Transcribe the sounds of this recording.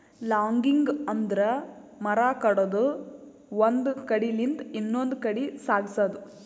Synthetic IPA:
laːŋɡiŋɡɐnd̪ɐɾɐmɐɾaːkɐɽoːd̪u | ʋɐnd̪kɐɽilint̪inːond̪kɐɽisaːɡisad̪u

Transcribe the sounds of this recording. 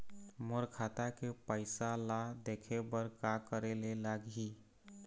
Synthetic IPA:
moɾkʰat̪akepəɪsalad̪ekʰebəɾkakəɾelelaɡɦi

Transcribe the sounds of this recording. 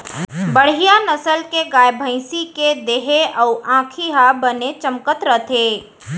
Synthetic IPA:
bəɽ̤ijanəsəlkeɡaːjbʱə̃ɪsiked̪eɦeəʊʔãːkʰiɦabənet͡ʃəmkət̪ɾət̪ʰe

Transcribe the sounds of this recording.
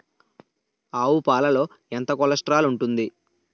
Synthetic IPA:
aːwupaːlɐlo̞ː | ent̪ɐkɔlɐsʈɾaːluɳʈund̪i

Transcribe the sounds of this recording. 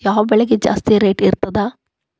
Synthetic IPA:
jaːʋɐbɛɭɐɡed͡ʒa̰ːst̪ijɐɾeːʈiɾt̪ɐd̪aː

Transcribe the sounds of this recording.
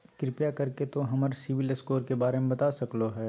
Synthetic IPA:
kɾɪpjakɐɾket̪oɦɐməɾsɪʋiləskoːɾkebaːɾemẽbɐt̪asɐkloɦɛː

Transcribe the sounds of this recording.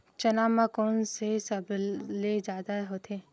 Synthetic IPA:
t͡ʃɐnaːmãkoːnsesɐbled͡ʒaːd̪aɦot̪ʰe

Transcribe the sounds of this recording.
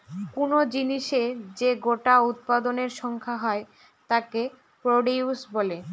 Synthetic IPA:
kunod͡ʑiniʃed͡ʑeɡoʈaut̪̚pad̪oneɾʃɔŋkʰaɦɔe | t̪ake | pɾoɖiusbole

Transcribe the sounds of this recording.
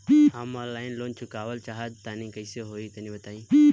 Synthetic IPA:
haːmaːlaːɪnloːnt͡ʃʰʊkaːʋəlt͡ʃaːɦət̪t̪aːnĩːkəɪseɦoːiːt̪ɐnĩːbət̪aːĩː

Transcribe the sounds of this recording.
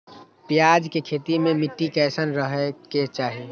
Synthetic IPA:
pɪjaːd͡ʒkekʰeːt̪imẽmɪʈːikɛːsənɾəɦeket͡ʃaːɦi

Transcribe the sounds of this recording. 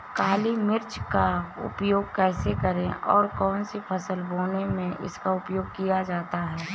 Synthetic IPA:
kaːlimɪɾt͡ʃkaʊ̰pjoːɡ̚kɛːsekəɾẽʔɔ̰ːɾkɔːnsipʰəsəlboːnemẽʔɪ̰skaʊpjoːɡ̚kijad͡ʒaːt̪aɦɛː

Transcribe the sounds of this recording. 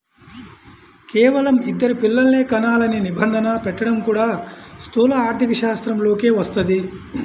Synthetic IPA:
keːʋɐlɐmid̪ːɐɾipilːɐlne̞ːkɐnaːlɐninibɐnd̪ʱɐnɐpɛʈːɐɽɐmkuːɽaːst̪ʰuːlɐaːɾt̪ʰikɐʃaːst̪ɾɐmlo̞ːkeːʋɐst̪ɐd̪i

